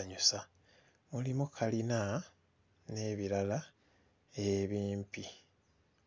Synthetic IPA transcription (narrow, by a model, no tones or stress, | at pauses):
ɲusa | mulimukʰalina | ne̞βiɾala | eβiːmpi